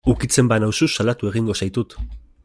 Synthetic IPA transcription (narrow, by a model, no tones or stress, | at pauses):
ukit͡se̞mbanawsusalat̪ue̞ɣiŋɡo̞sajt̪ut̪